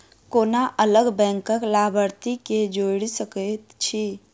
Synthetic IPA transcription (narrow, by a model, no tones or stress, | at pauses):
konaʔələɡbɛ̃ŋkəklabʱəɾt̪iked͡ʒoɽisəkət̪t͡ʃʰi